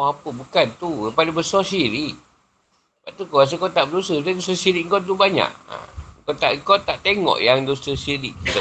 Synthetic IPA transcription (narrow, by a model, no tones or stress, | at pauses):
apəbukant̪upalubəsɔsiɾiʔ̚ | baʔt̪ukəas̬əkot̪aʔbədusət̪adusəsiɾikŋkɔnt̪̬ubaɲa̰ʔa̰kot̪a̰ʔkɔt̪aʔt̪eŋɔ̰ʔjaŋdusəsiɾik̚